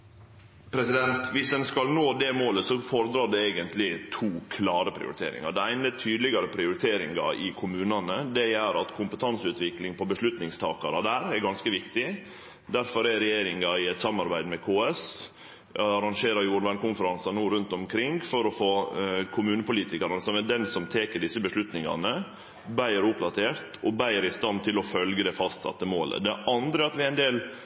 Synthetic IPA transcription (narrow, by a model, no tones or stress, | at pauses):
pʰɾɛsɪd̪ɛnt̪ʋɪsd̪ɛnskɑlnoːd̪ɛmoːləsɔfɔɾəd̪ɾɑːɖ̪ɛeːɡənt̪lɪt̪ʰuːkʰlɑːɾəpʰɾɪ̰ʊ̰ɾɪ̰t̪ʰḛːɾɪ̰ŋɑ̰ɖ̪ɛæɪnəət̪ʰyːd̪lɪɡɑɾəpʰɾɪʊɾɪt̪ʰeːɾɪ̰ŋɡɑ̰ɪkʰʊmʉːnɑnəd̪ɛæɾɑt̪kʰʊmpət̪ʰɑnsʉːt̪ʋɪklɪŋpʰɔbəʂlʉt̪nɪŋst̪ʰɑ̰ːkɑɾɑd̪æːɾɛɾɡɑnskəʋɪkt̪ɪ | d̪æɾfɔɾɛɾɛjeːɾɪŋɑɪɛt̪sɑmɑɾbæɪd̪mɛkʰoːɛs | ɑɾɑŋʂeːɾɑɾjuːɾʋæɳkʊnfəɾɑnsɑnuːɾʉnt̪ɔmkʰɾɪŋfɔɾɔfoːkʰʊmʉːnəpʊliːt̪ɪkɑɾɑnəsɔmɛɖɛnsɔmt̪ʰeːkəɖɪsːəbəʂlʉt̪nɪŋɑ̰nə | bæɪəɾʊpd̪ɑt̪ʰeːɾt̪ɔbæɪəɾɪst̪ɑnt̪ʰɪlɔfœlɡəd̪ɛfɑst̪sɑ̰t̪ːəmoːlə̰d̪ɛʔɑnd̪ɾəɑt̪ʋɪæɪnd̪eːl